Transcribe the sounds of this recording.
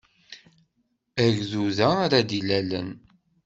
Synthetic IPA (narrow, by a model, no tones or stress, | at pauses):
æʝðuðæɾad̪ilælə̰n